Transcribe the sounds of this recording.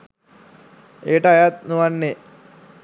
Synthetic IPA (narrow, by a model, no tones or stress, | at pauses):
eʈəajat̪̚nuʋanːe